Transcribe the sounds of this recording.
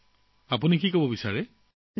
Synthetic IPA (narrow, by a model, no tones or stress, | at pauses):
apunikikobɔbisaɹɛ